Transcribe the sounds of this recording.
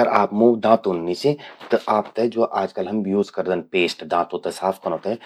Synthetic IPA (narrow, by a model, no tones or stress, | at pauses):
əɾaːpmuːd̪ãːt̪unːisit̪ɐʔaːpt̪ed͡ʒoːʔaːd͡ʒkəlɦɐmjuːzkɐɾd̪ənpeːsʈɖ̪ãːt̪ũt̪esaːfʰkɐñõːt̪eɛ